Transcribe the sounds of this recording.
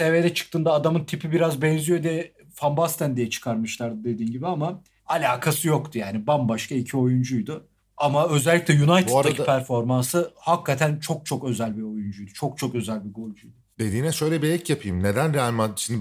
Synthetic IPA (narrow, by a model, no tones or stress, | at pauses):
seveːd̪ɛt͡ʃʰɯ̥k̚t̪ɯːnd̪aːd̪amɯnt̪ʰipibiɾazbɛnzijod̪ɛ | fambast̪ænd̪ijɛt͡ʃʰɯ̥kʰaɾmɯʃlˠaɾd̪ɯd̪e̞d̪iːnɟibiama | alʲaːkʰasɯjo̞kt̪ʰujaːnibambaʃkaicʰio̞jund͡ʒujd̪ʊ | amaø̞zɛlʲːicʲlʲɛjunajt̪ʰaad̪aipʰæɾfo̞ɾmansɯhakːat̪ʰænt͡ʃʰo̞k̚t͡ʃʰo̞kø̞zælʲbio̞jund͡ʒujd̪ut͡ʃʰo̞k̚t͡ʃʰo̞kø̞zælʲbiɡo̞lʲd͡ʒujd̪ʊd̪ed̪iːnɛʃø̞jlʲɛbiɛcjapʰɯjɯmned̪ænɾealʲmaʃimd̪